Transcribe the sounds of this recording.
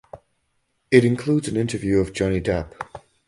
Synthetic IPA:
ɪtɪ̃nkʰl̥uːdzə̃nɪ̃ntəvjʉːəvd͡ʒɒnidap

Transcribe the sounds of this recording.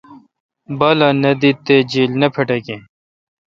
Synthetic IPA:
bɐlɐnɐd̪it̪ːed͡ʑiːlnɐpʰɐʈɐkẽ

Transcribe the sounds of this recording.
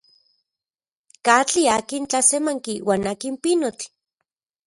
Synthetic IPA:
kat͡ɬiakint͡ɬasemaŋkiwaːnaːkimpinot͡ɬ

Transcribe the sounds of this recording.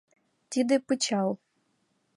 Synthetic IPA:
t̪ʲid̪ɨpɨt͡ɕɑw

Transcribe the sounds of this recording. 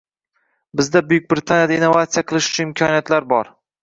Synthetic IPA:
bɪzd̪abʊjʊk̚ʲbɾɪt̪ʰanjad̪ainːovat̪sijaqʰɨlˠɪʃʊ̥t͡ʃʰʊnɪmkʲʰɒnijat̪laɾbɒɾ

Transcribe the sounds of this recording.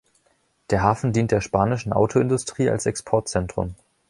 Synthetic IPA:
d̥eːɐɦaːfn̩diːnt̚d̥eːɐʃpaːnɪʃn̩ʔa̰ʊtʰoɪndʊstʁ̥iːa̰lsɛkspʰɔɐt̚t͡sɛntʁ̥ʊ̰m

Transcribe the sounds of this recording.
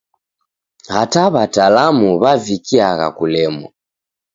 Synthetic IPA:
hataβatalamuβavikiaɣa̰kulɛmwa̰

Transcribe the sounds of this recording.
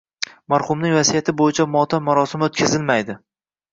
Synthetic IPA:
maɾχʊmnɪŋʲvasijat̪ʰɪbojɪt͡ʃʰamɒt̪ʰamʊɾɒsɪmot̪̚kʲʰazɪlmajd̪ɪ

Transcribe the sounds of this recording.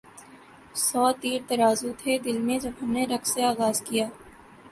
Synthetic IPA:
sɔːt̪iːɾt̪ɐɾaːzut̪ʰed̪ɪlmẽd͡ʒɐbɦɐmneɾɐkseaːɣaːzkijaː

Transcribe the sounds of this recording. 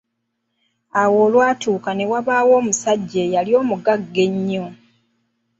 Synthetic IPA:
awo̞ːlwaːtuːkane̞waβaːwo̞ːmusaɟːejaljo̞ːmuɡaɡːe̞ɲːo

